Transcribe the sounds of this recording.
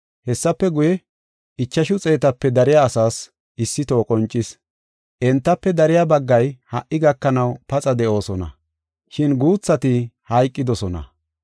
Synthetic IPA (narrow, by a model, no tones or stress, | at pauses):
hɛsːɐpːɛɡʊjɛ | ɪt͡ʃːɐʃʊt͡sʼe̞ːt̪ɐpːɛd̪ɐɾɪjaːsaːs | ʔɪsːɪt̪oːkʼɔnt͡ʃʼːɪs | ʔɛnt̪ːɐpːɛd̪ɐɾɪjabɐɡːɐjhɐʔːɪɡɐkːɐnɐwpɐt͡sʼɐd̪ɛʔo̞ːsɔnɐ̰ | ʃɪnɡuːt͡sːɐt̪ɪhɐjkʼːɪd̪ɔsɔnɐ̰